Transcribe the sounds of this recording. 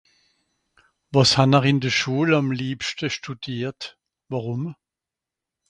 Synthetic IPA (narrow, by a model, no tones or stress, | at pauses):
vɑshɑnəʁɪndəʃuːlɑmliːpʃtəʃtud̥iːt | vɑʁʊm